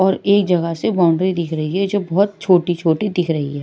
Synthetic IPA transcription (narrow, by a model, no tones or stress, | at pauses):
ɔːɾeːk̚d͡ʒɐɡəsebaːʊ̃ɳɖɾid̪ɪkʰɾɐɦiɦɛd͡ʒoːbɔɦʊt̪̚t͡ʃʰoːʈit͡ʃʰoːʈid̪ɪkʰɾɐɦḭɦɛː